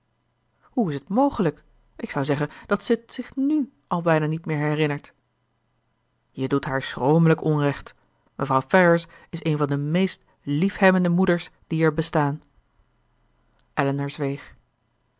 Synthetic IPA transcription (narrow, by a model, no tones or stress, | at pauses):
huɪsətmowχələk | ʔɪksɑwzɛχənd̥ɑtsətsɪχny | ʔɑlˠbɛjnaːnitmɪːɹɦɛrɪnəɹt | jədutɦaːɹsrowmələkɔnrɛχt | mʔəvrɑwfɛɹəɹs | ɪsejnvɑndəmejst | lifhɛbəndəmudəɹsd̥iɛɹbəstaːn | ʔɛlənəɹzʋejχ